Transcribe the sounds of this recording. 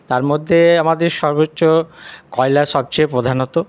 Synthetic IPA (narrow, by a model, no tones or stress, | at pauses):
t̪aɾmod̪ʱːeamad̪eɾʃɔɾbotːɕokɔelaʃɔb̚t͡ɕepɾod̪ʱanot̪o